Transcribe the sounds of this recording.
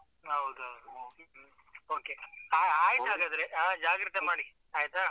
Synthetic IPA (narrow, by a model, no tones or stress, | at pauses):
ɦɐwd̪ɦɐd̪u | oːkeaːaːjit̪aːɡaːd̪ɾeaːd͡ʒaːɡɾit̪emaːɽi | ɦaːjit̪a